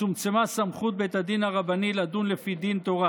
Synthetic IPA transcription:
umt͡semasamχut̪̚bejt̪ad̪inaʁabanilad̪unlefid̪int̪oʁa

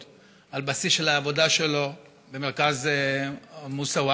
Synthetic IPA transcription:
albasisʃelaːvo̞daʃe̞lo̞ | be̞meʁkaz | musaua

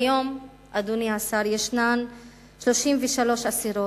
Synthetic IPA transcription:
jo̞m | ʔaduniasaɾjeʃnan | ʃlo̞ʃimveʃalo̞ʃasiɾo

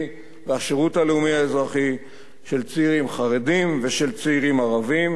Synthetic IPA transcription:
veaʃeʁutaleumiaezʁaχi | ʃe̞lt͡seiʁimχaʁedimveʃe̞lt͡seiʁimaʁavim

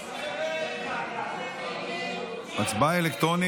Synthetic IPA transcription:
mat͡sbaelekt̪ʁoni

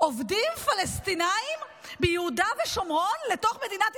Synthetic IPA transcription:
ʔo̞vdimfalest̪inaim | bejehudaveʃomʁo̞nleto̞χme̞dinat

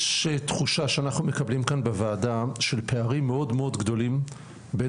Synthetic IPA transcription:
ʃetχuʃaʃeanaχnume̞kablimkanbevaːdaʃe̞lpe̞aʁimːeo̞dmeo̞dɡdo̞lim | be

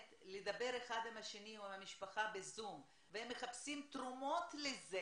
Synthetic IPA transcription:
t̪led̪abe̞ʁeχad̪imhaʃeniuimamiʃpaχabezum | vehemːe̞χapsimt̪ʁumo̞t̪leze

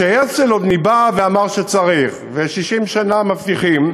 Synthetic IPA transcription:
ʃejet͡selod̪nibaveamaʁʃet͡saʁiχveʃiʃimʃanamaft̪iχim

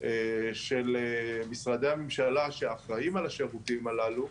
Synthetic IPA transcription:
ʔeʃe̞lemisʁad̪eamemʃalaʃeaχʁaimalaʃeʁut̪imalalu

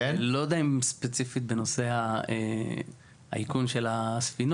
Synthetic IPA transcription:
elod̪aimspet͡sifit̪̚beno̞se̞hae | a̰ikunʃe̞lasfino

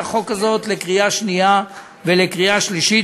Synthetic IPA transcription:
χo̞kazo̞t̪lekʁijaʃnija | velekʁiaʃliʃi

